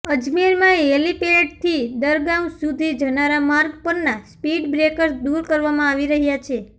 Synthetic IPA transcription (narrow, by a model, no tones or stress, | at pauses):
əd͡ʒmiɾmãelipeleʈ̚t̪ʰid̪əɾɡamsud̪ʱid͡ʒənaɾamaɾɡpəɾnaspiɖbɾekəɾsd̪uɾkəɾʋamãaʋiɾəɦjat͡ʃʰe